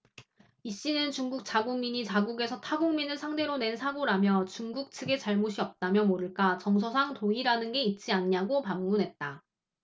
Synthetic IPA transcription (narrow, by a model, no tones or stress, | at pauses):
iɕ͈inɯnt͡ɕuŋɡuk̚t͡ɕ͈aɡoŋmiɲit͡ɕaɡuɡe̞sʰʌtʰaɡoŋminɯɭsʰaŋde̞ɾone̞nsʰaɡoɾamjʌt͡ɕuŋɡuk̚tʰɯɡe̞t͡ɕaɭmoɕʰiʌp̚t͈amjʌmoɾɯɭk͈at͡ɕʌŋs̬ʰʌsʰaŋtoiɾanɯnɡe̞it̚t͡ɕ͈ianɲaɡopamːunɦe̞t̚t͈a